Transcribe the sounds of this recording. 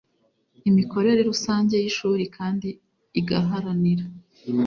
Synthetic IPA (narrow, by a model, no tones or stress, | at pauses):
imiko̞ɾe̞ɾe̞ɾusaːɲɟe̞jiʃuːɾikʰaːndiː | ɡaɦaɾaniɾa